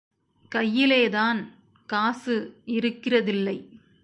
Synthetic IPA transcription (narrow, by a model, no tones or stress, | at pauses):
kɐjːɪleːðaːn | kaːsɯɪɾɯkːɪrɐðɪlːɐɪ